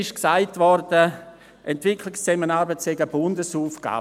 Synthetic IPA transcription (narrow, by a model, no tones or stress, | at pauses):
ɪʃksaɪtvɔrdə | ʔɛntv̥ɪkʰlɪkst͡sɛmənaːɾbətsɛɡəbʊndəsuːfɡ̥a̰ː